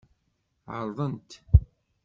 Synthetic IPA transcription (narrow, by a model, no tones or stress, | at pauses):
ʕə̰ɾˤðˤənt̪